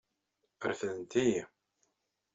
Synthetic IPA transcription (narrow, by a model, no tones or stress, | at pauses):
əɾfənt̪iji